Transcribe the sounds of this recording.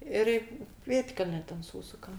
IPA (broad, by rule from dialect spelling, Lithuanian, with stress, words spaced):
ˈɪr ɪ ˈpʲeːtʲkʲɛlʲnʲɛ tʲɛn ˈsuːsʊkɐm